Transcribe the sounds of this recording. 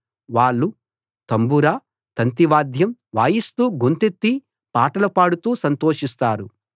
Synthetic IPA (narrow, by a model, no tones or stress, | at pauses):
ʋaːɭːu | t̪ɐmbuɾaː | t̪ɐnt̪iʋaːd̪jɐmʋaːjist̪uːɡunt̪et̪ːi | paːʈɐlɐpaːɽut̪uːsɐnt̪oːʂist̪aːɾu